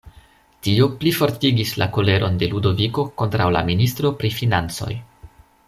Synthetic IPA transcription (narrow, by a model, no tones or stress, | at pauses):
tioplifo̞ɾtiɡisla̰ko̞le̞ɾo̞nde̞ludo̞viko̞ko̞ntɾawla̰ministɾo̞pɾifinant͡so̞̰j